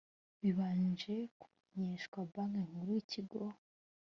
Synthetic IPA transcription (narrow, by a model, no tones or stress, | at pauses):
βiβaːnd͡ʒe̞ku̥meɲeʃkwabaŋeŋuɾuiciɡo